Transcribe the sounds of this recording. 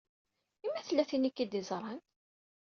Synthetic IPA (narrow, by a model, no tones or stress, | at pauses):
imːæθlːæθinikːid̪izˤɾˤɑn